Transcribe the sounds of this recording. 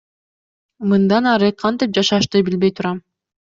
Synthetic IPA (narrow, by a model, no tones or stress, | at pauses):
mɯnd̪ɑnɑɾɯqʰɑnt̪ip̚d͡ʒɑʃɑʃt̪ɯbilbe̞jt̪ʰuɾɑm